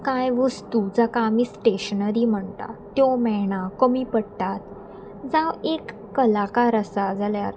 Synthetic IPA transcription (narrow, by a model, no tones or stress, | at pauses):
kajʋəst̪ud͡zakamiːsʈeɕənəɾiːm̤əɳt̪a̰t̪jɔmɛɳakəmiːpəɽt̪at̪̚ | d͡zãʋekː | əlakaɾəsad͡zaljaɾ